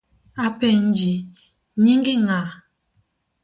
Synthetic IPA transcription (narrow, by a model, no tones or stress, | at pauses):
apɛn̩d͡ʒi | ɲiŋɡiŋa